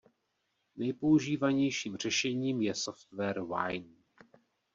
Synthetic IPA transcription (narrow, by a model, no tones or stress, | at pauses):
nɛjpo̞uʒiːvaɲɛjʃiːmr̝̥ɛʃɛɲiːmjɛsoft̪vɛɾwa̰jn